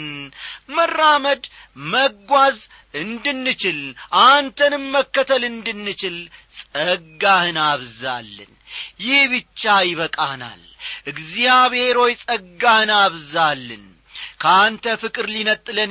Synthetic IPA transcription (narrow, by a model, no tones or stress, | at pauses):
nmərːaməd̪məɡʷaz | ɨnd̪ɨnːɨt͡ʃɪlʔant̪ʰənɨmməkːət̪ʰəlɨnd̪ɨnːɨt͡ʃɪlsʼəɡːahɨnaβza̰lːɨ̰n | jɪhbɨt͡ʃːajɪβəkʼana̰l | ʔɨɡzijaβhe̞ɾo̞jsʼəɡːahɨnaβzalːɨ̰n | kʰəant̪ʰəfɨkʼɨɾlinət̪ʼːɨlən